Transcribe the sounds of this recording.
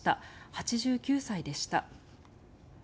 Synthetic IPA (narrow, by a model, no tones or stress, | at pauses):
t̪a̰hat͡ɕiʑɨːkʲɨːsaid̪e̞ɕi̥t̪a̰